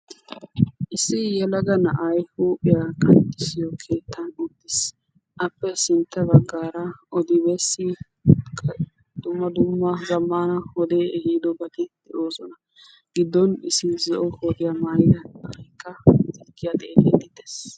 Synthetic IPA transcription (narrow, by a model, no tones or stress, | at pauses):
ʔɪsɪjɛlɐɡɐnɐʔɐjhuːpʼɪjakʼɐnt̪ːɪsɪjɔkʰe̞ːt̪ʰːɐnʊd̪ːɪs | ʔɐpːɛsɪnt̪ːɛbɐɡːaːɾɐʔɔd̪ɪbɛsːɪ | d̪̥ʊmːɐd̪ʊmːɐzɐmːaːnɐhɔd̪eːɛhiːd̪ɔbɐd̪ɛd̪̥ɛʔoːsɔnɐ | ɡ̥ɪd̪ːɔnɪsɪzɔʔɔhod̪ɪjamajd̪ɐɐkːɐd̪ɪlɡɪjat̪ʼeːled̪ɪd̪es